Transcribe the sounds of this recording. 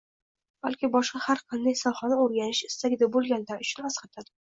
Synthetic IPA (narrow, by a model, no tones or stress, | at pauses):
b̥alkʲɪbɒʃqɑhaɾqʰɑnd̪ajsɒχɒnaoɾɡʲanɪʃɪ̥st̪aɡʲɪd̪abolˠɡʲand̪anʊt͡ʃʰʊ̥nasqɑt̪ʰad̪ɪ